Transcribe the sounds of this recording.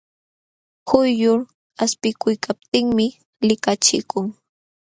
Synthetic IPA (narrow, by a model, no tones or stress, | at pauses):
xʊjjʊɾ | aspɪkʊjkʰap̚t̪ɪŋmɪ | lɪkat͡ʃɪkʊŋ